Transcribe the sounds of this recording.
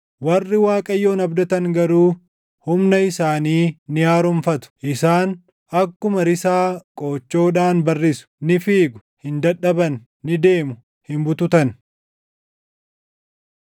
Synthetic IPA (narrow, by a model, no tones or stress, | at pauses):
wɐrːɪwaːkʼɐjːo̞ːnɐbd̪ɐt̪ɐŋɡɐɾuː | hʊmnɐɪsaːniːnɪjaːɾʊmfɐt̪ʊ̥ʔɪsaːn | ɐkːʊmɐɾɪsaːkʼo̞ːt͡ʃːo̞ːᶑaːnbɐrːɪsʊ̥nɪfiːɡʊ̥ | hɪnd̪ɐᶑɐbɐnː | ɪd̪e̞ːmʊ | hɪmbʊt̪ʊt̪ɐn